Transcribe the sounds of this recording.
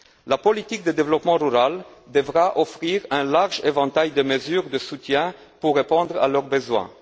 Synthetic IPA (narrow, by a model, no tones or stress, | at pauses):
lapɔlit̪ik̚d̪əd̪evlɔpmɑ̃ʁyʁald̪əvʁaʔɔfχiʁɛ̃laʁʒevɑ̃t̪ajd̪əməzyʁd̪əsut̪jɛ̃ | puʁːepɔ̃d̪ʁa̰lœʁbəzwɛ̰̃